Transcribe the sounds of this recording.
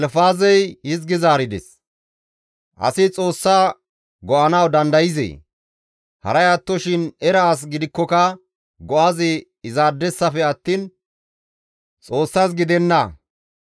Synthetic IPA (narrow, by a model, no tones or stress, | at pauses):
ɛlfaːzɛjhɪzɡɪzaːɾɪd̪ɛ̰s | ʔɐ̰sɪt͡sʼo̞ːsːaː | ɡɔʔɐnɐwd̪ɐnd̪ɐjɪzɛ̰ː | hɐ̰ɾɐjaːt̪ːɔʃɪnɛɾɐːs̬ɡɪd̪ɪkːɔkɐ | ɡɔʔɐzɪ | ɪzaːd̪ːɛsːɐfɛɐt̪ːiːn | t͡sʼo̞ːsːas̬ɡɪd̪ɛnːɐ